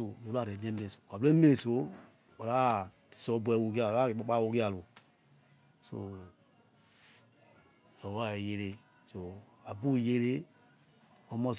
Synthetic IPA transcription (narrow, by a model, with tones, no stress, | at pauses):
o˨do˨˦la˦˨ɾe˨m˦e˦me˨so˨ka˨be˦me˦so˨˦ | o˨ɾa˦ti̥˨sɔ˦bɛ˨wu˨ki˦a˦˨o˨la˦i˨k͡pa˦k͡pa˦wu˦ki˦a˦˨lo˨ | so̰˨ | a˨wa˦˨je˦ɾe˦ | so˨ | a˨bu˦˨je˦ɾe˦ | ko˨˦mɔ˦˨s